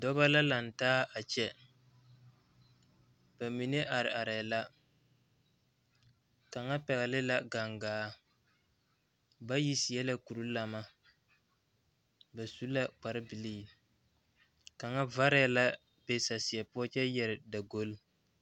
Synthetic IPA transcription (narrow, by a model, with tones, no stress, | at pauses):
dɔ˦ba˦la˦la˨n˨taː˦a˨t͡ʃɛ˦ | b̥a˨mi˨ne˦ʔa˨ɾɪ˨ʔa˨ɾɛ˨la˦ | ka˨ŋa˦pɛ˨ɣa˨lɪ˦la˦ɡa˨ŋɡaː˨˦ | ba˦ji˦sɪ˨jɛ˦la˦ku˨ɾu˦la˨ma˦ | ba˨su˦la˦k͡pa˨ɾɪ˦bi˨liː˦˨ | ka˨ŋa˦va˦ɾɪ˦˨la˦ | be˦sa˨si˨ɛ˨pʊ˦a˦t͡ʃɛ˦jɛ˨ɾɪ˨da˨ɡo˦l